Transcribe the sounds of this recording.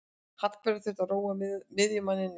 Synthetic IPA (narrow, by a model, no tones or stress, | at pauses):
hat̪kʰvɛɾaθɛht̪aroːwamɪðjʏmanːɪnː